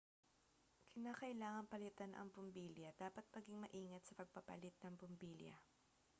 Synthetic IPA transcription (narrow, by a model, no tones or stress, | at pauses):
kʰɪnaːkɐʔɪlaːŋɐnpɐlɪt̪ɐnʔɐ̰ŋpʊmbiːljɐd̪aːpɐt̪̚mɐɡɪŋmɐʔiːŋɐt̪sɐpɐɡ̚pɐpɐ̰lɪt̪̚nɐŋpʊmbiljɐ̰